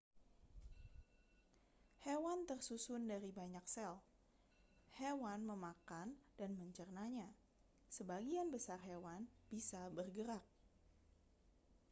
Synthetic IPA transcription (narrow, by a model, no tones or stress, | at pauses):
hewant̪ərsusʊndaɾibaɲak̚sɛl | hewanməmakandanməɲt͡ʃərnaɲa | səbaɡianbəsarɦewanb̥isabərɡəɾak̚